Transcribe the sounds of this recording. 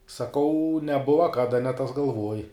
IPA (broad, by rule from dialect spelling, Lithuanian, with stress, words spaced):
sɐˈkɐʊ nʲɛˈbʊʋɐ ˈkɑːdɐ nʲɛ tɐs ɡɐlˠˈʋoːj